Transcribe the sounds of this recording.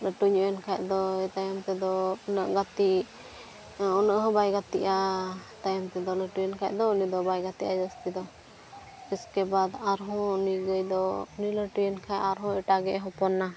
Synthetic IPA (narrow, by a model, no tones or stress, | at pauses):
ləʈuɲuʔjɛnkʰajd̪ɔt̪ajamt̪ɛd̪ɔɔnəʔɡat̪i | ɔnəʔɦɔ̃bajɡat̪iʔat̪ajamt̪ɛd̪ɔləʈujənkʰaj̚d̪ɔunid̪ɔbajɡat̪iʔad͡ʒəst̪id̪ɔ | ɛskɛbad̪aɾɦɔ̃uniɡəjd̪ɔuniləʈujənkʰajaɾɦɔ̃ɛʈaɡɛɦɔ̃pɔnːa